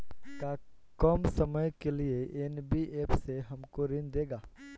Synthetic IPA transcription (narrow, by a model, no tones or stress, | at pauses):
kakɔːmsɐməjkelieenbiʔeːpseɦɐmkoɾɪnd̪eːɡaː